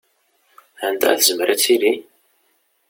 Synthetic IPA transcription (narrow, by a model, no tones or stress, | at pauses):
ænd̪æ̰θəzəmɾæt͡sːiɾi